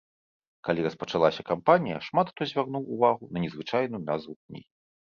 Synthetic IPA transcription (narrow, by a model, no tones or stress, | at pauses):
kalʲiɾɐspɐt͡ʂalˠasʲɐkampanʲijɐ̰ʂmat̪t̪ɔzʲvʲarnuwːvaɣunɐnʲɛzvɨt͡ʂajnujunazvuknʲḭ